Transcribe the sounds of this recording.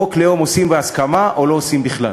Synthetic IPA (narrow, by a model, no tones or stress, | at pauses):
oklejomosimbeaskamaʔo̞lo̞ːsimbiχla